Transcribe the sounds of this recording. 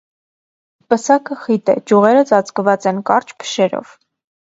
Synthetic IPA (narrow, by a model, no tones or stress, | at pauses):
pəsɑkəχit̪ɛd͡ʒuʁɛɾət͡sɑt͡skvɑt͡sɛnkɑɾt͡ʃʰpʰə̥ʃɛɾɔ̰v̥